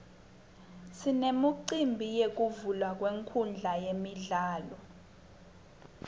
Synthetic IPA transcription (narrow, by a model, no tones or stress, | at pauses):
sinemuǀimbʱijek̬ʼuvulwak̬ʼweŋkʰund͡ɮʱajemiɮaːlɔ